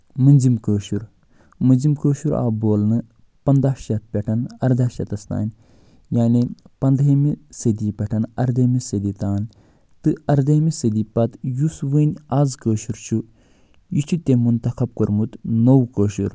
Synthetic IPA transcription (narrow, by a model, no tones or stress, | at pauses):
mɨnʲzimkəːʃuɾ | mɨnʲzimkəːʃuɾa̰ːboːlnɨ | pɐnd̪aːʃɐt̪̚pʲeʈʰɐnɐɾd̪aːʃɐt̪ɐst̪a̰ːnʲ | jaːnipɐnd̪ɦemisəd̪ipʲɐʈʰɐnɐɾd̪ɐːmisəd̪it̪aːn | t̪ɨɐɾd̪ɐːmisəd̪ipɐt̪jusʋənʲaːzkəːʃuɾt͡ʃʰu | jit͡ʃʰut̪ʲemunt̪ɐxɐb̚kəɾmut̪nowkəːʃuɾ